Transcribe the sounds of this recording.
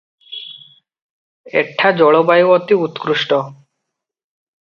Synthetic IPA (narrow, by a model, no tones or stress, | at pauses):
ḛʈʰːad͡ʑɔɭobajuɔt̪iut̪kɾuʃʈo